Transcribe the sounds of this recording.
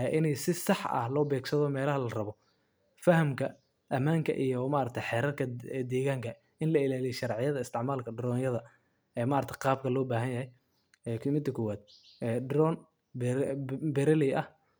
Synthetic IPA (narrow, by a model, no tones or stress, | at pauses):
ʔɪnɛjsɪsɑħɐ̰hlɔːbɛːɡsɐðɔmɛːlɐɦɐlɐrɐβɔ | fɐhɐmkʰɐ | ʔɐmaːŋkʰɐ̰ʔijɔmaːɾɐk̚t̪ʰɐjħɛːɾɐrkʰɐd̪ɛːɣaːŋkʰɐ | ʔɪnlɐɪlaːlijʃɑɾʕɪjɐðɐɪst̪ʰɪʕmaːlkʰɐɖɾɔːnjɐðɐ | ɛːmaːɾɐt̪ʰɐjqɑːb̚kʰɐlɔːbaːɦɐnjɐhɛj | ɛkʰɪmɪt̪ɐkʰɔwaːd̪̚ɛːɖɾɔːn | bbɛɾɐlɪʔɐh